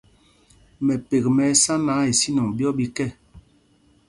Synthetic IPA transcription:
mɛ˨pe˨kmɛ˨˦sa˦na˨˦e˨si˦nɔ˨ŋbjɔ˦bi˦kɛ˦˨

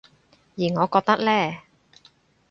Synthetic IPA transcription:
jiː˨˩ŋɔː˨˧kɔː˧k̚t̪ɐ˥k̚lɛː˥˩

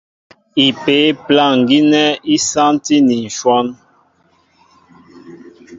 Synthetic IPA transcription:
i˨pe˨˦plã˦˨ŋ˨ɡi˦nɛ˦i˦sã˦n˦ti˦ni˨n̩˨ʃwɔ˦n

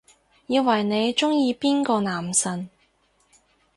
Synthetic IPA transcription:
jiː˨˧wɐ˨˩jne˨˧jt͡ʃʊ˥ŋjiː˧piː˥nkɔː˧naː˨˩msɐ˨n

